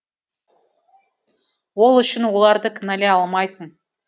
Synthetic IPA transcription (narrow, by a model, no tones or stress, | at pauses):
wo̞lˠʏʃɪnwo̞lˠɑɾd̪əkʲʰɪnæle̞ɑlˠmɑjsəɴ